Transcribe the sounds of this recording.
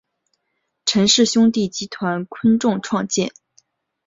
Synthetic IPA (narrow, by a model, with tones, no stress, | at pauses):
ʈ͡ʂʰə˧˥ŋʂɻ̩˥˩ɕʊ˥ŋt̪i˥˩t͡ɕi˥t̪ʰwa˧˥nkʰwə˥nʈ͡ʂʊ˥˧ŋʈ͡ʂʰwɑ˥˧ŋt͡ɕjɛ̰˥˩n